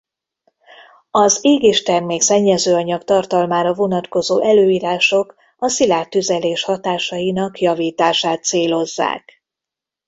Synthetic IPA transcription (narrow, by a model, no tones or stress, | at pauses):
ɒzeːɡeːʃt̪ɛrmeːksɛɲːɛzøːɒɲɒkt̪ɒrt̪ɒlmaːɾɒvo̞nɒt̪ko̞zoːʔɛløːiːɾaːʃo̞k | ɒsilaːrt̪yzɛleːʃhɒt̪aːʃɒjinɒkjɒviːt̪aːʃaːt̪seːlo̞zːa̰ːk